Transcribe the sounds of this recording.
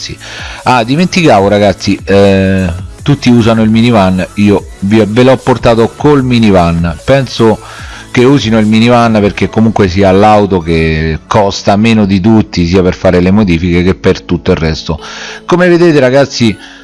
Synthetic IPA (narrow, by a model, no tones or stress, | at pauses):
iad̪iment̪ikaːvoɾaɡat̪sːi | t̪ut̪ːiuːzanoilminivanːiːovivelɔpːort̪aːt̪okolminivanːpɛnso | keuːzinoilminivanːperk̟ekːomuŋkwes̬iːalawt̪okekʰːɔst̪ameːnod̪it̪̬ut̪ːis̬iːaperfaːɾelemod̪iːfikekepːert̪ut̪ːoirːɛst̪okomeved̪eːt̪eɾaɡat̪sːi